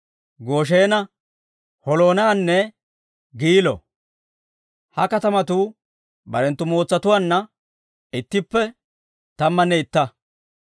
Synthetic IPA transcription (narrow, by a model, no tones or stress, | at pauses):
ɡo̞ːʃ̬eːnɐ | hɔlo̞ːnɐanːɛ | ɡiːlɔ̰ | hɐkɐt̪ɐmɐt̪uː | bɐ̰ɾɛnt̪ːʊmo̞ːt͡sːɐt̪ʊwaːnːɐ | ɪt̪ːɪpːɛ | t̪ɐmːɐnɛɪt̪ːɐ